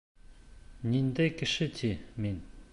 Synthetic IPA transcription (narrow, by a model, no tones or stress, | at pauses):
ɲind̪ekəɕət͡ɕemin